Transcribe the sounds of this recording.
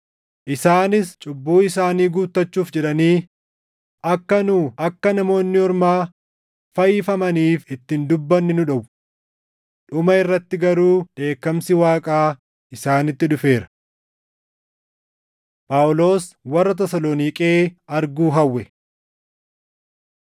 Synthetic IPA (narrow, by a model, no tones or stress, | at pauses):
ʔɪsaːnɪst͡ʃʼʊbːuːɪsaːniːɡuːt̪ːɐt͡ʃːuːfd͡ʒɛᶑɐniː | ʔɐkːɐnʊɐkːɐnɐmo̞ːnːɪɔɾmaː | fɐjɪːfɐmɐniːfɪt̪ːɪnd̪ʊbːɐnːɪnʊᶑɐwʊ̥ | ᶑʊmɐɪrːɐt̪ːɪɡɐɾuːᶑe̞ːkːɐmsɪwaːkʼaː | ʔɪsaːnɪt̪ːɪᶑʊfe̞ːɾɐ̥ | pʼaːwʊlo̞ːswɐrːɐt̪̬ɐsɐloːniːkʼeːɐɾɡuːɦɐwːɛ